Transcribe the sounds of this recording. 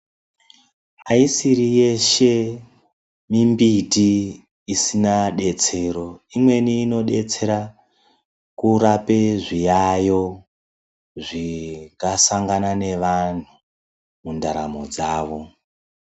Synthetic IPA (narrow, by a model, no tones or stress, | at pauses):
aisiɾije̞ʃe̞ | mimbiti | isinaɗe̞t͡se̞ɾo̞imwe̞niːno̞ɗe̞t͡se̞ɾa | kuɾape̞ʐijajo̞ | ʐikasaŋɡanane̞ʋan̤u | mundaɾa̰mo̞̰d͡zaːʋo̞